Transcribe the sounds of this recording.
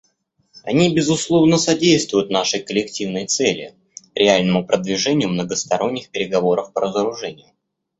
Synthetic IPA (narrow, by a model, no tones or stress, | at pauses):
ɐnʲibʲɪzʊslˠo̞vnəsɐdʲejst̪vʊjʊt̪naʂɨjkəlʲɪktʲivnəjt̪sɛlʲɪ̰ | ɾʲʔɪalʲnəmʊpɾʔəd̪vʲɪʐɛnʲɪjʊmnəɡəst̪ɐɾo̞nʲːɪxpʲɪɾʲɪɡɐvo̞ɾəfpəɾəzəɾʊʐɛnʲɪjʊ